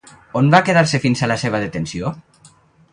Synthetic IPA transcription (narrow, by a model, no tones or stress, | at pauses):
onbakeðaɾsefinsalaseβ̞əðet̪ensio